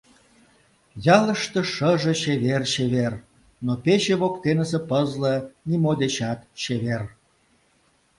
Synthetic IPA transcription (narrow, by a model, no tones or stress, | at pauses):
jɑlə̆ʃt̪ə̆ʃəʒĕɕeβerɕeβer | nopet͡ɕeβokt̪enəs̬ĕpəzlənʲimod̪et͡ɕɑt̪ɕeβer